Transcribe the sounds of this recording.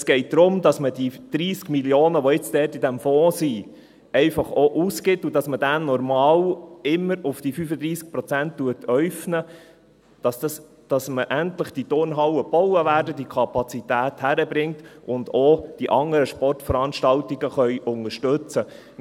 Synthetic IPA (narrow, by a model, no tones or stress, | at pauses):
sɡ̥ɛɪt̚d̥̪ɾʊmdɑsməd̥id̪̥ɾiːskmiljoːnəʋɔɪt͡sd̥ɛːtidæmfɔ̃ːsi | ɛɪfɑχoʔuːskɪtːudɑsməd̥ænnɔɾmɑːlɪmːəɾʊfd̥ifyfəd̪ɾiːsk̚pɾɔt͡sænttuətʰœɥfnə | d̥ɑss | d̥ɑsməʔæntləχd̥itʊɾnɦɑwəb̥ɔwəʋæːɾdəd̥ikʰɑpɑt͡sitæːthæɾəbɾɪŋtʔʊndoːd̥iʔɑŋəɾəʃpɔrtfəɾɑnʃtɑltiɡəχœʏʔʊŋəʃtɵt͡sə